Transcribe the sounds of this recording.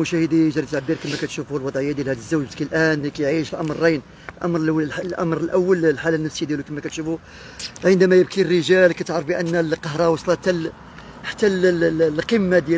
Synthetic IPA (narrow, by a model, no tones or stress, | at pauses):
ʊʃæhəd̪iəʒd̪ɾˤit̪ʕabːiɾkəmːækæt̪ʃufuhlwɑd̪ˤʕəjːad̪jælhæd̪əzːuwʒbəkilʔænlikæjʕiʃəlʔɑmɾːɑjn | lʔɑmɾlʔæ̰mɾəlʔæwːəllħalːænːəfsəjad̪jælukəmːækæt̪ʃufu | ʕənd̪æmæjəb̚kirːəʒælkæt̪əʕɾəfbiʔənːælqɑɦɾˤɑwɑsˤlɑt̪ːæl | ħḁt̪ːællqəmːad̪jæ